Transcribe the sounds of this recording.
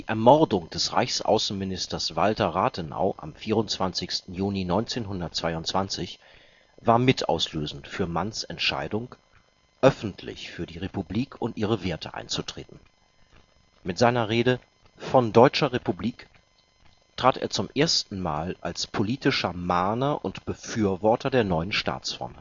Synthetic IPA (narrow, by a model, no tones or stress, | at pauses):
d̥iːʔɛɐmɔʁdʊŋd̥ɛsʁa̰ɪçsʔa̰ʊsn̩mɪnɪstɐsv̥altɐʁaːtʰəna̰ʊʔa̰mfiːʁ̞ʊntt͡sv̥ant͡sɪçstn̩juːninɔʏnt͡seːnɦʊndɐt̚t͡sv̥aɪʊntt͡sv̥ant͡sɪç | vaːɐmɪtʔa̰ʊsløːzn̩tfyːɐmansɛ̰ntʃa̰ɪdʊŋ | ʔœfn̩tʰlɪ̰çfyːɐdiːʁepubliːkʰʊntʔiːʁ̞əveːɐtʰə̰ʔa̰ɪnt͡sutʁ̥ḛːtn̩ | mɪtz̥aɪnɐʁeːdə | fɔndɔʏt͡ʃɐʁepubliːk | taːtḛːɐt͡sʊmʔeːɐstn̩maːlʔalspʰoliːtɪʃɐmaːnɐʔʊntb̥əfyːɐvɔɐtʰɐdeːɐnɔʏənʃta̰ːt͡sfɔ̰ɐm